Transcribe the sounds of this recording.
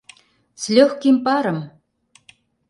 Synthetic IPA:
t͡slʲøxkimpɑɾə̆m

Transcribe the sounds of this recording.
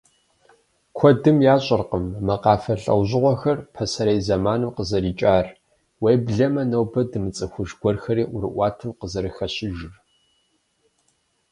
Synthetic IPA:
kʷʰɔdɨmjaːɕʼɪrqəmːɐqɑːfɐɬʼɐ̰wʑɪʁʷɔxɐrpʰɐsɐɾɐjzɐmaːnɨmqəzɐɾiːt͡ʃʼaːr | wejbɮɐmɐnɐwbɐdɨmɨt͡sʼɨxʷʊʒɡʷɔrxɐɾiːʔʷʊɾɨ̰ʔʷɑːtʰɨmqəzɐɾɨxɐɕɪʒɪr

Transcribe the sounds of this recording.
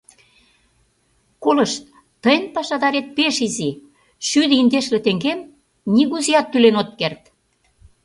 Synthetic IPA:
kolə̆ʃt̪̚ | t̪əjənpɑʃɑd̪ɑɾet̪̚peʃizi | ʃyd̪ə̆ind̪eʃlĕt̪ĕŋɡem | niɣuzijɑt̪ːylenot̪̚kert̪

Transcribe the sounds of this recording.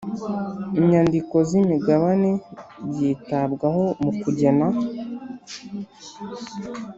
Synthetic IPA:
iɲandiko̞zimiɡaβanebiːtabɡaho̞mukuɟe̞na

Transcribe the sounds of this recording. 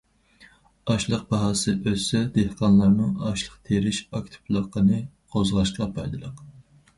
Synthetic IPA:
ɑʃlˠəq̚bɑɦɑsɨʔøsɛd̪ehqɑnlˠɑɾnɨŋɑʃlˠəqt̪ʰeɾɪʃɑkʲt̪ʰɪ̥plˠəqʰːənɨ | qʰozʁɑʃt̪qɑpʰɑjd̪ɨlˠəq

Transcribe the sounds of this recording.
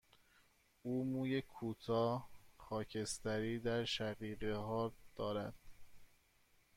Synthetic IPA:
uːmuːjekʰuːt̪ʰɒːxɒːcʰe̞st̪æɾiːd̪æɾʃæɢiːɢeɦɒːɾd̪̥ɒːɾæd̪̥

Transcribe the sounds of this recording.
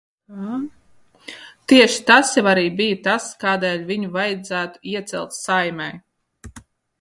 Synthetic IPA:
t̪iɛʃi̥t̪asjɛvaɾiːbijt̪askaːd̪ɛːlʲvʲiɲuvajd̪zæːt̪u̥iɛt̪sɛ̰lˠt̪sajmʲɛj

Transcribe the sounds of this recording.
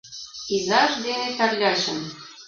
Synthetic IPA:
izɑʒd̪enet̪æɾlʲɑʃə̆n

